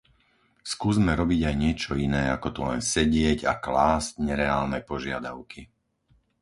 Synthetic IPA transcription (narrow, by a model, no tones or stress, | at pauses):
skuːzmɛɾɔbiɟajɲɪɛt͡ʃɔinɛːakɔt̪ulɛ̰nsɛɟɪɛɟa̰klaːzcɲɛɾɛaːlnɛpɔʒɪad̪aʊki